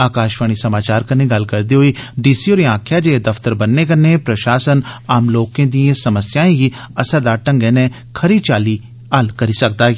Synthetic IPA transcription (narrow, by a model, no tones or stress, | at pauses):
aːkaːʃʋəɽ̃isɐmaːt͡ʃaːɾkɐnẽɡɐlkɐɾd̪iɦoiɖiːsioːɾiãːkʰjad͡ʒeed̪ɐft̪əɾbɐnːekɐnẽpɾɐʃaːsənaːmloːkẽd̪iẽsɐməsjaːẽkiɐsəɾd̪aːʈɐ̃ŋɡɛːnẽ | kʰɐɾit͡ʃaːli | aːlkɐɾisɐk̚d̪aː